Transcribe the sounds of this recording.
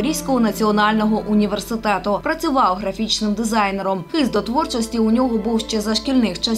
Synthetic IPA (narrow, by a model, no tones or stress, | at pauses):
ɾʲiwsʲkɔɦɔnɐt͡sʲiɔnɑlʲnɔɦɔʔʊnʲiʋe̞rsɪt̪ɛt̪ʊpɾɐt͡sʲʊʋɑwɦɾɐfʲit͡ʃnɪmd̪ɪzɑjneɾɔmxɪzd̪ɔt̪ʋɔrt͡ʃɔsʲtʲiʊnʲɔɦɔbuwʃt͡ʃɛzɐʃkʲilʲnɪxt͡ʃɐ